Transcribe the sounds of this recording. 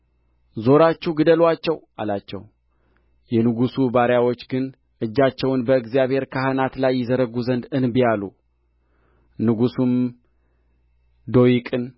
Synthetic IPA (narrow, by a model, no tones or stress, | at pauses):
zo̞ɾat͡ʃːɛwɡɨd̪əlwat͡ʃːɛwʔa̰lat͡ʃːɛ̰w | jɛnɨɡusubaɾjawo̞t͡ʃːɡɨn | ʔɨd͡ʒːat͡ʃːɛwnbəɨɡzijaβhe̞ɾkʰahɨnat̪lajːɪzəɾəɡuzənd̪ɨnbijalu | nɨɡusum | d̪o̞jikʼɨn